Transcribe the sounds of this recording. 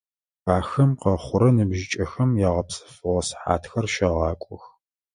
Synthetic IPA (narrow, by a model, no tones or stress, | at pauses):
xaːxɐmqɐχʷʊɾɐnɨbʒɪt͡ʃʼɐxɐmjɛʁɐpsʼɐ̥fɨʁɐsħa̰ːtxɐrʃɐʁɑːkʷʼʊx